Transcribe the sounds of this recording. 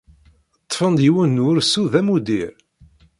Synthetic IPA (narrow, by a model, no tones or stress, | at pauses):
t̪ˤːfənd̪jiwənːuɾsuðæmud̪iɾ